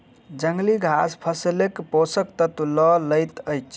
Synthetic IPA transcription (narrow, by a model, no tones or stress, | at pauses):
d͡ʒəŋɡliɡʱaspʰəslekposəkt̪ət̪ulɔləjt̪əjt͡ʃʰ